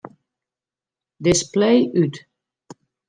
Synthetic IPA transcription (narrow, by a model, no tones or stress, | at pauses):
dɪsplejʔyt